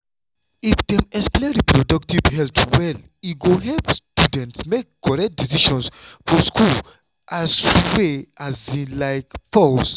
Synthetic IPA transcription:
ifdɛ̃mɛkspledipɹodɔk̚tivhɛltwɛl | iɡoɦɛlpstudɛ̃ntsmekkɔɹɛk̚t̚disiʃɔ̃nsfɔskul | ʔasweazĩlaɪkpɔs

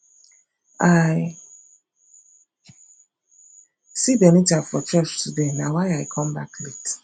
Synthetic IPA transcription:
aj | sibenitafɔt͡ʃɔt͡ʃtudenawajaikʰɔmbaklit

